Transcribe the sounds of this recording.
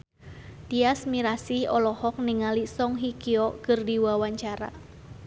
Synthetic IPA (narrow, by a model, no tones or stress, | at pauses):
t̪iasmiɾasiɔlɔhɔk̚niŋalisɔŋɦikiɔʔkɨrdiwawaɲt͡ʃaɾa̰